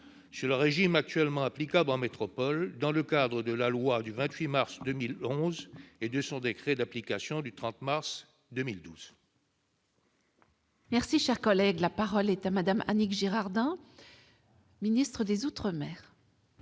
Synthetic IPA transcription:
syʁləʁeʒimak̚t̪ɥɛlmɑ̃aplikablɑ̃met̪χɔpɔld̪ɑ̃ləkad̪ʁəd̪əlalwad̪yvɛ̃t̪ɥimaʁsd̪əmilɔ̃zed̪əsɔ̃d̪ekχɛd̪aplikasjɔ̃d̪yt̪χɑ̃t̪maʁs | d̪əmild̪uz̥ | mɛʁsiʃɛʁkɔlɛɡlapaʁɔlɛt̪amad̪amʔa̰nikʒeʁaʁd̪ɛ̃ | minist̪χəd̪ezut̪χəmɛːʁ

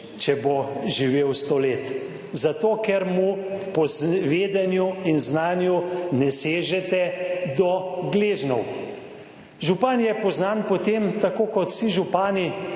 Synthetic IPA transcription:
t͡ʃɛboʒiʋeːwst̪oleːt̪ | zat̪oːkɛɾmupɔzʋeːd̪ɛnjuinznaːnjunɛseːʒɛt̪ɛd̪ɔɡleːʒnɔw | ʒupanjɛpɔznaːnpɔt̪emt̪akoːkɔt̪siʒupaːni

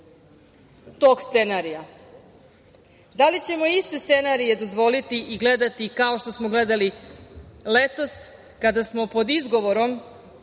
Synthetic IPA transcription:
t̪o̞kst̪se̞naɾija | d̪alit͡ɕe̞mo̞ist̪e̞st̪se̞naɾije̞d̪o̞zʋo̞lit̪iʔiɡle̞d̪at̪ikao̞ʃt̪o̞smoɡle̞d̪ali | le̞t̪o̞s | kad̪asmo̞po̞d̪izɡo̞ʋo̞ɾo̞m

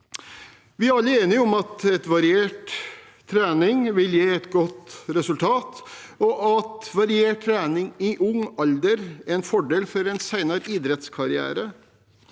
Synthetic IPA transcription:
ʋɪæɾɑlːəeːnɪɔmɑt̪ɛt̪ʋɑɾɪeːʈ̪ʰː | ɾæːnɪŋʋɪljeːɛt̪ɡɔt̪ɾɛsʉlt̪ʰɑːt̪ɔʔɑt̪ʋɑɾɪeːʈ̚t̪ʰːɾæːnɪŋɪʔʊŋɑld̪əɾɛnfɔɖeːlfɔɾɛnsæɪnɑɾiːd̪ɾɛt̪skʰɑɾɪæ̰ːɾə

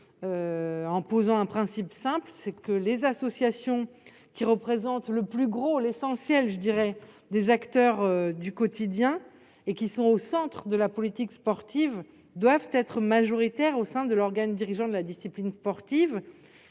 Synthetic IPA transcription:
øɑ̃pozɑ̃ɛ̃pχɛ̃sipsɛ̃plsɛkəlezasɔsjasjɔ̃ | kʲiʁəpχezɑ̃t̪ləplyɡʁolesɑ̃sjɛlʒəd̪iʁɛd̪ezakt̪œʁød̪ykɔt̪id̪jɛ̃ | ekʲisɔ̃osɑ̃t̪χəd̪əlapɔlit̪ikspɔʁt̪iv | d̪wavt̪ɛt̪χəmaʒɔʁit̪ɛʁosɛ̃d̪əlɔʁɡand̪iʁiʒɑ̃d̪əlad̪isiplinspɔʁt̪iv

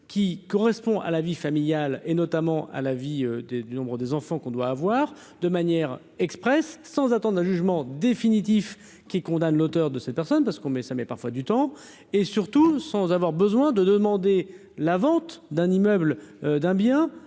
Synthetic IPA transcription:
kʲikɔʁɛspɔ̃ʔa̰lavifamiljalenɔt̪amɑ̃ʔa̰laviød̪ed̪ynɔ̃bʁəd̪ezɑ̃fɑ̃kɔ̃d̪waːvwaːʁ | d̪əmanjɛʁ | ɛkspχɛsːɑ̃zat̪ɑ̃d̪ʁɛ̃ʒyʒmɑ̃d̪efinit̪̬if | kʲikɔ̃d̪anlot̪œʁd̪əsɛt̪̚pɛʁsɔnpaʁsə̥kɔ̃mɛsamɛpaʁfwad̪yt̪ɑ̃ | esyʁt̪usɑ̃zavwaʁbəzwɛ̃d̪əd̪əmɑ̃d̪e | lavɑ̃t̪d̪ɛ̃nimœblød̪ɛ̃bjɛ̃

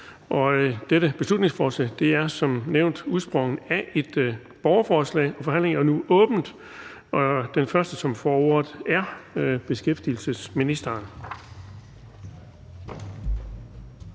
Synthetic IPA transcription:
ʔɒ̽d̥eɾəb̥e̝slud̥ne̝ŋsfɒːslɛ̰ːd̥e̝æɐsɒ̽mneʊnd̥uðˠsb̥ʁɔ̽ŋn̩æʔe̝d̥ | b̥ɒʊɐfɒːslɛ̰ɪɒ̽fɒ̽ɦæn̰leŋɐnuʔɔ̽ːb̥n̩d̥ | ʔɒ̽d̥enfɶɐsd̥əsɒ̽mfɒːoɐð̩ˠæɐb̥e̝sɡ̥efd̥il̩səsminisd̥ɐːn

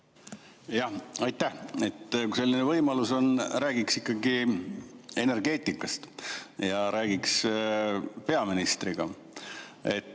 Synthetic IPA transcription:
jɑhɑjt̪ˑːæhe̞t̪ːkuse̞lːinevɤjmɑluso̞nræːɡ̥iksikːɑɡi | e̞ne̞rɡ̥e̞ːt̪ːˑikːˑɑst̪jɑɾæːɡ̥iks | pe̞ɑminist̪riɡ̥ɑ | e̞t̪ː

